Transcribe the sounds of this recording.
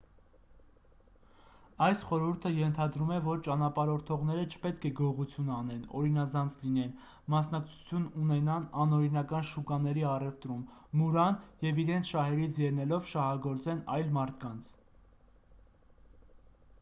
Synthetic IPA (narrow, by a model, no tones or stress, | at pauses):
ɑjsχɔɾuɾt̪ʰəjɛnt̪ʰɑd̪ɾumɛvɔɾt͡ʃɑnɑpɑɾɔɾt̪ʰɔʁn̪ɛɾət͡ʃʰə̥pɛt̪kʰɛɡɔʁut͡sʰjunɑnɛnɔ̰ɾinɑzɑnt͡sʰlin̪ɛn | mɑsnɑk̚t͡sʰu̥t͡sʰjununɛnɑnɑnɔɾinɑkɑnʃukɑnɛɾiɑrɛft̪ɾumːuɾɑnjɛviɾɛnt͡sʰʃɑɦɛɾit͡sʰjɛɾnɛlɔvʃɑhɑɡɔɾt͡sɛnɑjlmɑɾt̪ʰkɑnt͡sʰ